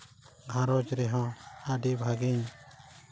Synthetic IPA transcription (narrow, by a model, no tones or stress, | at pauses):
ɡʱãɾɔd͡ʒɾɛɦɔ̃aɖibʱaɡiɲ